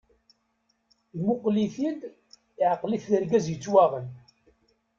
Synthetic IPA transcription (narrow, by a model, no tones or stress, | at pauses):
jmʊqliθin | ɪʕəqːliθːəɾɡæzjət͡sːwaʁən